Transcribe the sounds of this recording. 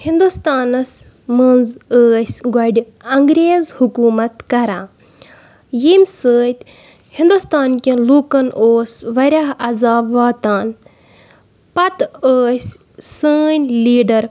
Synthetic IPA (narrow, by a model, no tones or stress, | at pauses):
hind̪ust̪aːnɐs | mənzəːsʲɡɐɖi | ɐŋɡɾeːzhukuːmɐt̪kɐɾãː | jimʲsəːt̪ʲ | hĩnd̪ust̪aːnkʲeluːkɐnʔoːsʋɐɾʲaɦɐzaːbʋaːt̪aːn | pɐt̪əːsʲ | səːnʲliːɖɐɾ